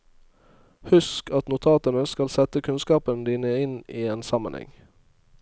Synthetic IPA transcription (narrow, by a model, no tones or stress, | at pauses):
hʉskɑt̪nʊt̪ʰɑːt̪ənəskɑlsɛt̪əkʰʉnskɑːpənd̪iːnəɪniːeːnsɑmə̰nhɛ̰ŋ